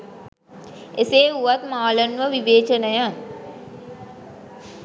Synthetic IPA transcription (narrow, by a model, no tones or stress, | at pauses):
eseːuʋat̪maːlənʋəʋiʋeːt͡ʃənəja